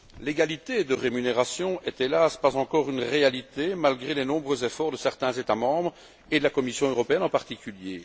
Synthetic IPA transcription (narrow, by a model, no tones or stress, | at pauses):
leɡalit̪ed̪əʁemyneʁasjɔ̃ɛt̪elaspazɑ̃kɔʁynʁealit̪emalɡʁelenɔ̃bʁøzefɔʁd̪əsɛʁt̪ɛ̃zet̪amɑ̃ːbʁ | ed̪əlakɔmisjɔ̃øʁɔpeɛnɑ̃paʁt̪ikʰʲylje